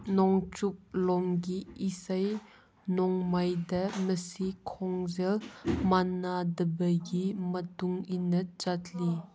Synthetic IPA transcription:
nɔŋt͡ʃup̚lɔŋɡiisaj | nɔŋmajdɐməsikʰɔŋzɛlmanːadɐbəɡimətuŋinɐd͡ʒatʰli

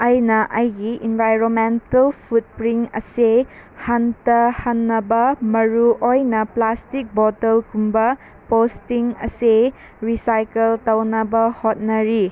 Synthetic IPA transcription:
ɐjnɐʔɐjɡiʔinbʱajɾonmentɐlpʰut̚pɾiŋɐ̰sehantɐhanːɐbɐmɐɾuʔojnɐplastik̚bɔtɐlkumbɐ | postiŋɐ̰se | ɾisajkeltɐwnɐbɐhot̚nɐɾi

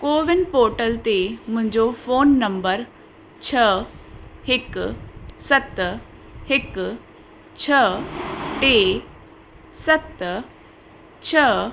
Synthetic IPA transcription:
koːʋɪnɖpoːʈəlt̪emʊ̃ɲd͡ʒofʰoːnːə̃mbəɾ | t͡ʃʰə | hɪk | sət̪ | hɪk | t͡ʃʰə | ʈeː | sət̪ | t͡ʃʰə

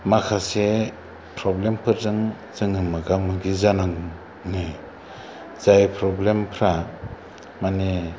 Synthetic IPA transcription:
makʰase | pʰɾɔblempʰɯɾzɯŋ | zɯŋɯmɯɡamɯɡizanaŋ | ŋɯj | z̥ajpʰɾɔblempʰɾa | mane

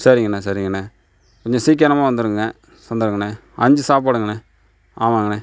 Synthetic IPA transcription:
sɐɾɪŋɡɐnːɐsɐɾɪŋɡɐnːɐ | kɔɲd͡ʒɔ̃siːk̬ːɾɐɾɐmaːʋɐnd̪ɯɾɯŋɡɐ̃ | sɐnd̪ɐɾɯŋɡɐnɛ̃ | ɐɲd͡ʒɯsaːpaːɽɯŋɡɐnɛ̃ | aːʋaːŋɡɐnẽ

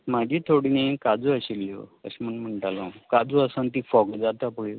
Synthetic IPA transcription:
mad͡ʑʱiːt̪ʰoɽinekad͡zuəɕilːjo̰əɕməɳm̤əɳʈalakad͡zuəsənt̪iːfɔkd͡zat̪apəɭi

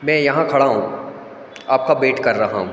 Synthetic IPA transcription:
mɛ̃jɐɦãkʰɐɽaɦũː | aːp̚kabeːʈkɐɾːɐɦaɦũ

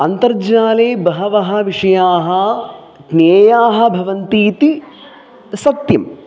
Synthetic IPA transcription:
ɐnt̪ɐɾd͡ʒaːleːbɐɦɐʋɐɦɐʋiʂɐjaːɦɐ | ɡneːjaːɦɐ̆bʱɐʋɐnt̪iːt̪i | sɐt̪jɐm

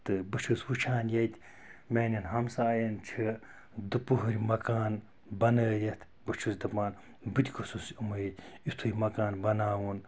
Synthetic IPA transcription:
t̪ɨbɨt͡ʃʰɨswut͡ʃʰaːnjɐt̪ʲ | mʲeːnʲɐnɦɐmsaːjɐnt͡ʃʰi | d̪ɨpuɦuɾʲmɐkaːn | bɐnəːjɐt̪ʰ | bɨt͡ʃʰusd̪ɐpaːn | bɨt̪ʲikʰosusumɨjit̪ʲit̪ʰujʲmɐkaːnbɐnaːwun

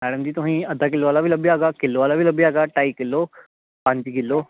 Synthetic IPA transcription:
mɛːɽəmd͡ʑiːt̪ʊɦĩɐd̪ʱak̬ɪlːoʋaːlabʱilɐbiaːɡakɪlːoʋaːlabʱiləbiaːɡaʈaːikɪlːo | pãɲd͡ʑiɡɪlːo

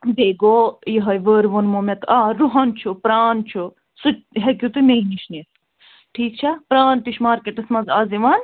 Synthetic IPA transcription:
b̪eːɡoːjiɦɐjʋəːɾʋɐnmomet̪aːɾuɦɐnt͡ʃʰupɾaːnt͡ʃʰu | suɦekʲut̪ɨmeiniʃnit̪ | ʈʰiːk̚t͡ʃʰapɾaːnt̪iʃmaːɾkeʈɐsmɐnzaːziʋaːn

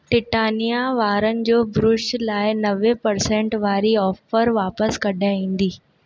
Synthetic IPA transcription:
ʈɪʈaːnijaʋaːɾənɪ̆d͡ʑoːbɾʊʃlaːɪnɐʋepɐɾsẽɳʈʋaːɾiɔːfəɾʋaːpəskɐɖʱaĩːn̆d̪iː

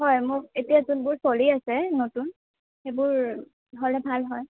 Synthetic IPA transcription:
hɔjmʊk̚etijazunbʊɹsoliasɛnotun | xebʊɹ | dʱɔlɛbʱalɦɔj

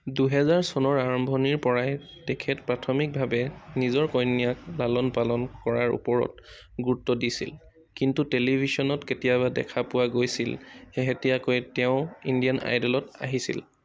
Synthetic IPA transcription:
duɦɛzaɹsɔnɔɹaɹɔmbʱɔniɹpɔɹaj | tɛkʰɛtpɹatʰɔmik̚bʱabɛnizɔɹkɔjnijaklalɔnpalɔnkɔɹaɹṵpɔɹɔ̰t̚ | ɡutːɔdisḭl | kintutelibʱisɔnɔtketijaβadɛ̰kʰapʊwaɡojsilxeɦetijakojtɛʊ̃indijanʔa̰jdɔlɔta̰ɦisḭl

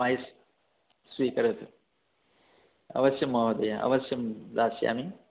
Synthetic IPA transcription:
ajs | swiːkɐɾet̪ʰ | ɐ̰ʋɐsjɐmɐɦɐd̪ɐjaɐ̰ʋɐsjɐmd̪aːsja̰ːmi

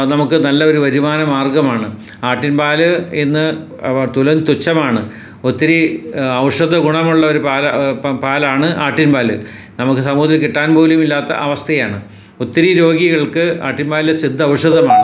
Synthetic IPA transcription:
nɐmukːɨnɐlːɐo̞ɾuʋɐɾumaːnɐmaːrɡɐmaːɳɨ | aːʈːinpaːlɨenːɨ | t̪ulɐnt̪ut͡ɕːɐmaːɳɨ | ot̪ːiɾiɐʋʂɐðɐɡuɳɐmuɭːɐo̞ɾupaːlɐpaːlaːɳɨʔaːʈːinbaːlɨ̰ | nɐmukːɨsɐmuːðɐlkːiʈːaːnbʱoːlumilːaːt̪ːɐ̰ʔɐʋɐst̪ʰɐjaːɳɨ | ot̪ːiɾiɾo̞ːɡiɣɐɭkɨa̰ːʈːinbaːlesid̪ʱːɐɐʋʂɐðɐmaːɳɨ

